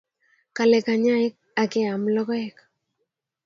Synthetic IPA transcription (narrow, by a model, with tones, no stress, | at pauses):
ka˨lɛ˨ka˨ɲa˦e˦k̚a˨ke˦amlɔ˦kɔ˦ɛk